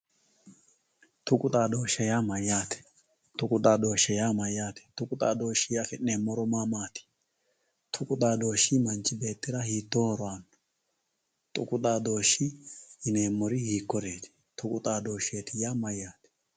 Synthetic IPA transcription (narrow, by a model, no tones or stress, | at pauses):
t̪ʊkʼʊt̪ʼaːd̪oːʃɛjamɐjːaːt̪ɛ̥ | t̪ʊkʼʊt̪ʼaːd̪o̞ːʃːɛjaːmɐjːaːt̪ɛ̥t̪ʊkʼʊt̪ʼa̰ːd̪o̞ːʃːɪjafɪnːeːmːɔɾɔmaːmaːt̪ɪ̥ | t̪ʰʊkʼʊt̪ʼaːd̪o̞ːʃːimɐnt͡ʃʼɪbe̞ːt̪ːɪɾɐhiːt̪ːoːhɔɾɔanːʊ̥ | t̪ʼʊ̰kʼʊt̪ʼaːd̪oːʃːiɪne̞ːmːɔɾɪhiːkːɔɾeːt̪ɪ̥ | t̪ʰʊkʼʊt̪ʼaːd̪o̞ːʃeːt̪ɪjaːmɐjːaːt̪ɛ̥